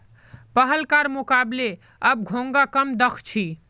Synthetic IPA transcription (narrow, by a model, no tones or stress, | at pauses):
pəɦəlkaɾmukable | əb̚ɡʱõŋɡakəmd̪əkʰt͡ʃʰi